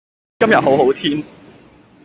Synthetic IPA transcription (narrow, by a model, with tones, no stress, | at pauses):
kɐ˥mja˨˩ɦo˨˥wɦo˨˥wt̪ʰi˥n